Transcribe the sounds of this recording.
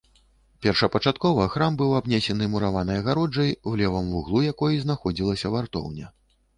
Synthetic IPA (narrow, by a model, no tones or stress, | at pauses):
pʲɛrʂɐpɐt͡ʂat̪̚kɔvɐxɾambɨwabnʲɛsʲɛnɨmuɾavanɐjɐɣaɾɔd͡ʐɐjwlʲɛvɐmvuɣlˠujakɔjiznaxɔd͡zʲilˠɐsʲɐvart̪ɔ̰wnʲɛ